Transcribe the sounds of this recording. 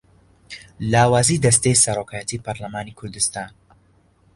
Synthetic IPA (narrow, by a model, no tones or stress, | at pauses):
laːwaːziːd̪ɐst̪ejsɐɾoːkʰaːjɛt̪iːpʰɐɾlɐmaːnikʰʊɾd̪ɨst̪aːn